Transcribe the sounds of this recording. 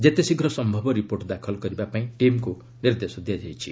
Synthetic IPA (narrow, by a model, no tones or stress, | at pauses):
d͡zet̪esiɡʱɾʌsʌmbʱʌbʌɾiporʈd̪akʰʌlɡʌɾibapaĩʈimko | nird̪esɔd̪ijad͡zajt͡sʰḭ